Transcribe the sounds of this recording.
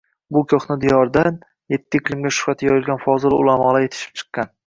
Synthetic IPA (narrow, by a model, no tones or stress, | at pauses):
bʊkʲʰoχnɪd̪ɪjɒɾd̪an | je̞t̪ːɪkʲʰlˠɪmɡʲaʃʊ̥at̪ʰɪjɒjɪlɡʲanfɒzɪlˠʊ̰lˠamɒlaje̞t̪ʰɪ̥ʃɪ̥p̚t͡ʃʰɨ̥qːɑn